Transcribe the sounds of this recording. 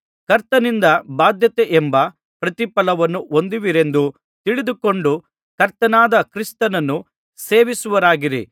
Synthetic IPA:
kɐɾt̪ɐnind̪ɐbaːd̪jɐt̪eʔɛmbɐ | pɾɐt̪ipɐlɐʋɐnːuʔo̞nd̪iʋiɾe̞nd̪u | t̪iɭid̪uko̞ɳɖu | kɐɾt̪ɐnaːd̪ɐkɾist̪ɐnɐnːu | se̞ːʋisuʋɐɾaːɡiɾḭ

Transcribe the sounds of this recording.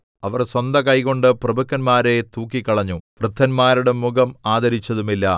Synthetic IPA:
ɐʋɐrswɐnd̪ɐkɐjko̞ɳɖɨprɐbɐkːɐnmaːɾe̞t̪uːk̬ːikʲːɐɭɐɲːuprɨd̪ʱɐnmaːɾuɽe̞muɡɐmaːd̪ɐɾit͡ɕːɐðumilːɐ

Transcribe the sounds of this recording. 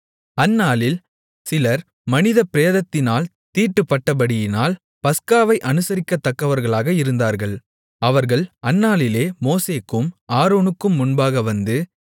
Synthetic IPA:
ɐnːaːlɪl | sɪlɐɾ | mɐnɪðɐpɪɾeːðɐt̪ːɪnaːl | t̪iːʈːɯpːɐʈːɐbɐɽɪjɪnaːl | pɐskaːʋɐɪʔɐnɯsɐɾɪkːɐt̪ːɐkːɐʋɐɾɣɐɭaːɣɐɪɾɯnd̪aːɾɣɐɭ | ɐʋɐɾɣɐɭɐnːaːlɪleːmoːseːkːɯmʔaːɾoːnɯkːɯmːʊnbaːɣɐʋɐnd̪ɯ

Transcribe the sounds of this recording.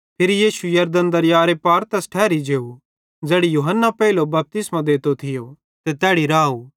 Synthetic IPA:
pʰɪɾijiːʃujɐɾd̪ənd̪ɐɾjaːɾepaːɾt̪ɛsʈʰɛːɾid͡ʒeːu | d͡zeːɽijuːɦənːapɛilobɐp̚t̪ɪsmãd̪eːt̪ot̪ʰɪjo | t̪et̪ɛːɽiɾaːu

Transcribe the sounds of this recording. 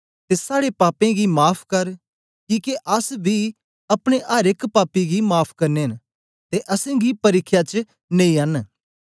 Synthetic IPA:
t̪esaːɽepaːpẽɡimaːpʰkɐɾ | kiːkeʔɐsbʱi | ɐpɽ̃eʔəɾɪkpaːpːiɡimaːpʰkɐɾneɦɐn | t̪eʔɐsẽɡipɐɾɪkʰːjat͡ʃ | nẽːĩɐn

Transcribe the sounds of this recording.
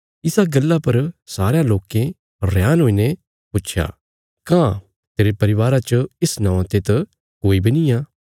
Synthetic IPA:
ɪsaɡɐlːapɐɾsaːɾjãloːkẽ | ɾjaːnɦoːine | pʊtːʃʰja̰ː | kãː | t̪eːɾepɐɾɪʋaːɾat͡ʃəɪsnãːʋãt̪et̪ɐ | koːibinijaː

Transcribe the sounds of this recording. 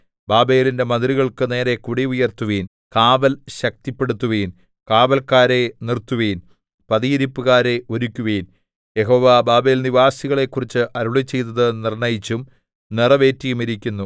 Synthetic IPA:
baːbe̞ːlinde̞mɐnd̪riɣɐɭkɨne̞ːɾe̞kuɽiujɐrt̪ːuʋiːn | kaːʋɐlɕɐk̚t̪ipːe̞ɽut̪ːuʋiːn | kaːʋɐlkaːɾe̞nirt̪ːuʋiːn | pɐðijiɾipːɨɣaːɾe̞ʔo̞ɾukʲːuʋin | je̞ɦo̞ːʋabaːbe̞ːlniʋaːsiɣɐɭe̞kːurit͡ɕːɨʔɐɾuɭit͡ɕːe̞jt̪ːɐðɨnirɳɐjit͡ɕːum | nirɐʋe̞ːtːijumiɾikʲːunːu

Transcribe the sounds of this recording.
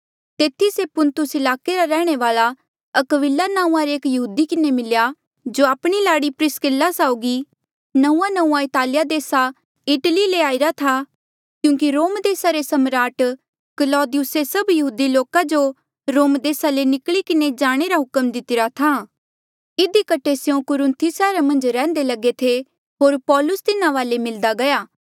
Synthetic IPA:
t̪eːt̪ʰisepʊnt̪ʊsɪlaːkeɾaɾɛːɽ̃eʋaːla | ɐkʋɪlanaːũːãɾeːkjɐɦuːd̪ikɪnemɪlja | d͡ʒoaːpɽ̃ilaːɽipɾɪskɪlːasaːʊɡi | nɐũːãnɐ̃ũːãɪt̪aːlɪjad̪eːsa | ɪʈlileaːɪɾat̪ʰa | kjũːŋk̬iɾoːmd̪eːsaɾesɐmɾaːʈ | kəlɔːd̪ɪjʊsesɐbjɐɦuːd̪iloːkad͡ʒo | ɾoːmd̪eːsalenɪkɭikɪned͡ʒaːɽ̃eɾaɦʊkəmd̪ɪt̪ɪɾat̪ʰa | ɪd̪ikɐʈʰesjõkʊɾɪ̃nt̪ʰisɛːɾamɐ̃nd͡ʒɾɛ̃ːnd̪elɐɡet̪ʰe | ɦoːɾpɔːlʊst̪ɪnãʋaːlemɪld̪aɡɐjaː

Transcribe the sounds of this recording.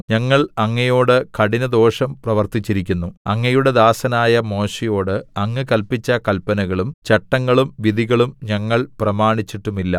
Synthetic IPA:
ɲɐŋːɐɭɐŋːɐjo̞ːɽɨkɐɽinɐd̪o̞ːʂɐmprɐʋɐrt̪it͡ɕːiɾikʲːunːuɐŋːɐjuɽe̞d̪aːsɐnaːjɐmo̞ːʂɐjo̞ːɽɨɐŋːɨkɐlpit͡ɕːɐkɐlpɐnɐɣɐɭumt͡ɕɐʈːɐŋːɐɭumʋid̪iɣɐɭumɲɐŋːɐɭprɐmaːɳit͡ɕːiʈːumilːɐ

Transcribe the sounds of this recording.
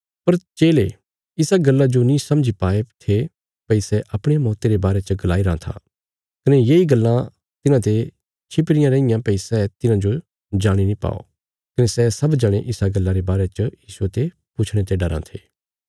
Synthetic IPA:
pɐɾt͡ʃeːle | ɪsaɡɐlːad͡ʒonĩsɐ̃md͡ʒʱipaːet̪ʰe | pɐisɛʔɐpɽ̃emɔːt̪eɾebaːɾet͡ʃəɡɐlaːiɾãt̪ʰa̰ː | kɐnejeiɡɐlːã | t̪ɪnãt̪e | t͡ʃʰɪpɽɪjãɾẽɪ̃jãpɐisɛt̪ɪnãd͡ʒo | d͡ʒaːɽ̃inĩpa̰ːo̰ | kɐnesɛsɐbd͡ʒɐɽ̃eʔɪsaɡɐlːãɾebaːɾet͡ʃəjiːsuet̪e | pʊt͡ʃʰɽ̃et̪eɖɐɾã̰t̪ʰeː

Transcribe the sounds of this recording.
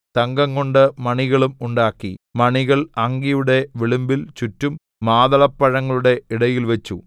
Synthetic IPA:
t̪ɐŋɡɐŋkoɳɖɨmɐɳiɣɐɭumuɳɖaːkːimɐɳiɣɐɭɐŋɡijuɽe̞ʋiɭumbilt͡ɕutːumː | aːðɐɭɐpːɐɻɐŋːɐɭuɽe̞iɽɐjilʋɐt͡ɕːu

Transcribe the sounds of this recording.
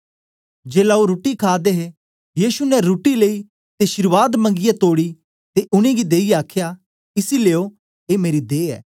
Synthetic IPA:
d͡ʒeːlaoɾuʈikʰaːd̪eɦe | jiːsunɛɾuːʈilei | t̪eʃɪɾʋaːd̪mɐ̃ŋɡɪjɛt̪oːɽi | t̪eʔʊñẽɡid̪eːijeaːkʰja | ɪsileːo | eːmeːɾid̪eːɛ̰ː

